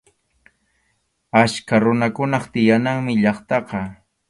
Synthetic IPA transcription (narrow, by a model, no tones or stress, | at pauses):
askaɾʊnakʊnɑχt̪ɪjanaŋmɪʎɑχt̪ɑqɑ